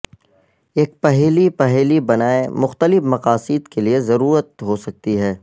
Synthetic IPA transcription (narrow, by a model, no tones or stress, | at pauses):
eːk̚pɛɦɛːlipɛɦɛlibɐnaːemʊxt̪əlɪfmɐqaːsɪd̪keliezɐɾuːɾət̪̚ɦosɐk̚t̪iɦɛː